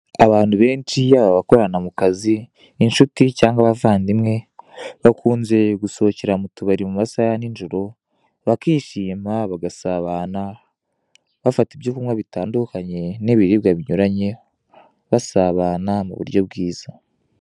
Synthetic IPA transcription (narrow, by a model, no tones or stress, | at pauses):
aβaːn̥huβe̞ːnt͡ʃijaβaβako̞ɾanamukaziː | nʃuticaːŋɡaβavaːndimŋe̞βakʰuːnze̞ɡuso̞ceɾamutuβaɾimumasajaninʒoɾo̞ | βakiːʃiːmaβaɡasaβaːna | βafatibjokumwaβitaːndukaɲe̞niβiɾiβɡaβiɲuɾaɲe̞ | βasaβaːnamṵβṵɾjo̞β̚ɡiːz̥a